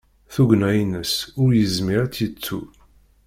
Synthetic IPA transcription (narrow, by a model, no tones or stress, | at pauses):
θuɡnæjnəsʊɾjəzmiɾat͡sːjət͡sːṵ